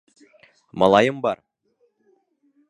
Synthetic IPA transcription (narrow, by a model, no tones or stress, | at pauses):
mɑ̰lˠɑjɤmbɑɾ